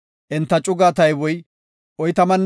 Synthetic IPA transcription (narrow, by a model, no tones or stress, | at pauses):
ʔɛnt̪ːɐt͡ʃʼʊɡaːt̪ɐjwɔj | ʔɔjt̪ɐmɐnː